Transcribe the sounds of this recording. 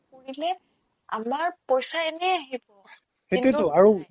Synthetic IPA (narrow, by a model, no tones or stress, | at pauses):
koɹilɛ | a̰maɹpɔjsaɛnɛaɦibɔ | xentɛtʊaɹu